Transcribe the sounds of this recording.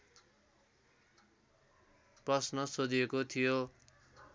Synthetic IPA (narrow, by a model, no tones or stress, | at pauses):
prʌsnʌsod̪ijekot̪ʰijo